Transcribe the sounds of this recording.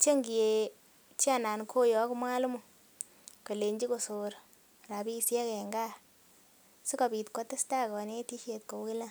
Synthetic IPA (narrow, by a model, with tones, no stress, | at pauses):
t͡ʃe˦ŋɡi˨e˨ | t͡ʃi˦a˨na˨nkʰo˦jɔ˨˦kmwa˦lmu˨ | ko˨le˨ɲd͡ʒi˦ko˨so˨ɾ | ɾa˨pi˦˨sjɛ˦kɛ˨ŋɡa˦ | si˦ka˨bi˨tko˦tɪ˦sta˦˨kɔ˨ne˦ti˦ʃe˨t̚ko˨˦ki˦la˦